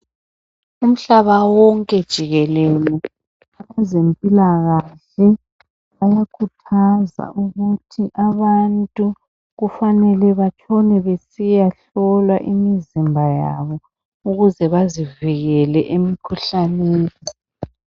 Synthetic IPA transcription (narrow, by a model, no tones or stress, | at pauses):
um̩ɬaβawɔŋkʼɛd̥ʒ̥ʱiɣɛlenɛ | aβazempʼilaɣaɬɛ | βajakʰutʰaza̰ʔuɣutʰiʔaβantʼu | ɣufanɛlɛβat͡ʃʼʰɔnɛβesijaɬɔlwaʔimizimbʱaja̰βɔ | uɣuzɛβaziviɣɛlɛʔemikʰuɬaneːni